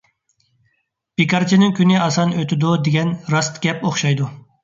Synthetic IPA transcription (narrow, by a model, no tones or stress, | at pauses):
b̥ekɑɾt͡ʃʰinɪŋkʲynɪɑsɑnøt̪ʰɪd̪ud̪eɡʲɛnɾɑst̪ɡʲɛpoχʃɑjd̪u